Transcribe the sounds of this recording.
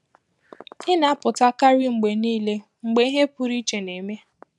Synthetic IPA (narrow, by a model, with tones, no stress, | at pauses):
ɪ˦na˨a˦pʊ˨ta˦ka˦ɾi˦ŋ͡m̩˨ɡ͡be˨niː˦le˦ | ŋ͡m̩˨ɡ͡be˨˦i˦ɦe˦pʊ˦ɾi˦t͡ʃe˨ne˨me˦